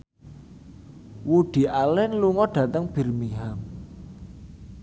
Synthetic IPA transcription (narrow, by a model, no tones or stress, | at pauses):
wuɖ̪̥i̤alɛnluŋɔɖ̥ä̤t̪əŋb̥i̤rmiɦam